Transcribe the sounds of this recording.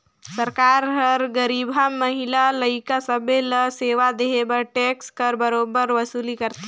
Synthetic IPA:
səɾkaːɾɦəɾɡəɾiːbʱamːəɦilaləikasəbeləseːʋad̪eebəɾʈekskəɾbəɾobəɾʋəsuːlikəɾt̪

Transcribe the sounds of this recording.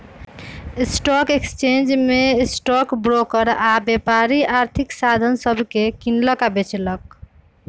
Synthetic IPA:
esʈɔkekst͡ʃend͡ʒmesʈɔkbɾokəɾabjepaɾiaɾt̪ʰiksad̪ʱənsəbʱkekinləkabet͡ʃlək

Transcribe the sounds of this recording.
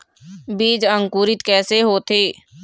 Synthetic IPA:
biːd͡ʒəŋkuːɾɪt̪kɛːseːɦoːt̪ʰeː

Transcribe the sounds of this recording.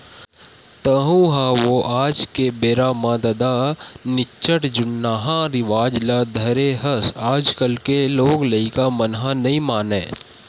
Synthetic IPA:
t̪ɐɦũɦãʋoʔaːd͡ʒkebeːɾaːmãːd̪ɐd̪anɪt͡ʃəʈd͡ʒʊnːaːɦãɾɪʋaːd͡ʒlaːd̪ʱəɾeɦəsaːd͡ʒkəlkeloːɡlɐikamənɦãnɐɦĩmaːnḛː

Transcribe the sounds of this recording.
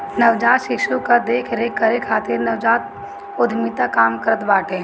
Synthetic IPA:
nɐʋd͡ʒaːt̪ʃɪʃukad̪eːkʰɾekʰːəɾekʰaːt̪ɪɾnɐʋd͡ʒaːt̪ | ʊd̪ʱmit̪akaːmkəɾət̪baːʈẽ

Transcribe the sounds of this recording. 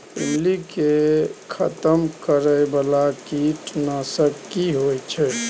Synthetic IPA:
ḭmlikekʰət̪əmkəɾəjbalakiʈnasəkːiɦojt͡ʃʰɛ

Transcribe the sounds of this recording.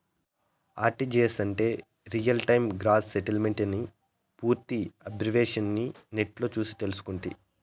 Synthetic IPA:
aːʈid͡ʒeːsɐɳʈe̞ː | ɾijɐlʈɐjmɡɾaːsseʈɐlme̞ɳʈni | puːɾt̪iɐbd͡ʒɐʋeːʂɐnːi | neʈlo̞ːt͡ʃuːsi̥t̪elusu̥kuɳʈḭ

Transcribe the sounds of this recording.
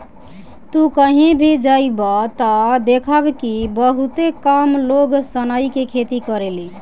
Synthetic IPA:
t̪ukəɦẽbʱed͡ʒaibɔt̪ɔd̪ekʰəbkibəɦut̪ekamloɡsənaikekʰet̪ikəɾeli

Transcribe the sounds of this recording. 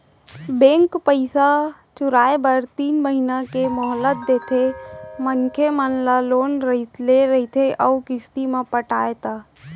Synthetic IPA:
bẽːŋkpəɪsa | t͡ʃʊɾaːebəɾt̪iːnməɦinakemɔɦlət̪̚d̪eːt̪ʰemənkʰemənlaloːnɾəleɾəɦit̪ʰeʔəukɪst̪imãpəʈaːet̪aː

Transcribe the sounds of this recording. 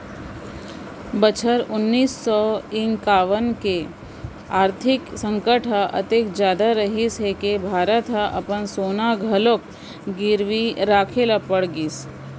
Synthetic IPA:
bət͡ʃʰəɾʊnːiːsːɔɪ̃ŋkaːʋənke | aːɾt̪ʰɪksə̃ŋkəʈʰɦəʔə̰t̪ekd͡ʒjaːd̪aɾəɦisɦekebʱaːɾət̪ɦəʔɐpənsoːnaɡʱɐlok̚ | ɡɪɾʋiɾaːkʰeləpəɽɡiːs

